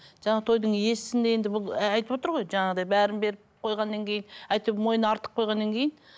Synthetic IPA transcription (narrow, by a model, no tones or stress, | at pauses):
ʒɑɴɑt̪ʰo̞jd̪əɴje̞sɪsɪnd̪ee̞nd̪ɪbʊlˠɑjt̪əpwo̞t̪əɾʁo̞jʒɑɴɑʁəd̪ɑjbæɾɪnbe̞ɾɪpqʰo̞jʁɑnːɑŋkʲʰejɪnæjt̪əpmo̞jənɑɾt̪ə̥q̚qʰːo̞jʁɑnːɑŋkʲʰe̞jɪn